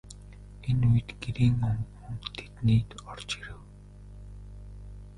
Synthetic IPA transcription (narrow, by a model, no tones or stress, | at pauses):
enuj̆t̪ɡ̥eɾiːŋɔŋɡuŋt̪ʰːe̥t̪niːt̪ɔrt͡ɕiɾɘ̆w